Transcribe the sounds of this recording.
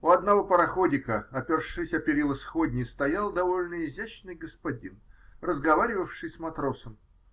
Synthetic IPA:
uɐd̪nɐvo̞pəɾɐxodʲɪkəɐpʲɪrʂɨsʲɐpʲɪɾʲilˠəsxodʲnʲɪst̪ɐjalˠd̪ɐvo̞lʲnəɪzʲæɕnɨjɡəspɐdʲinrəzɡɐvaɾʲɪvəfʂɨjʲsmɐt̪ɾo̞səm

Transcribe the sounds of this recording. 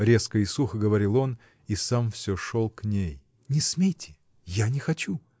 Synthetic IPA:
ɾʲe̞skəɪsuxəɡəvɐɾʲilˠo̞n | isamfsʲoʂolˠknʲej | nʲɪsmʲejtʲɪ̥ | janʲɪxɐt͡ɕu

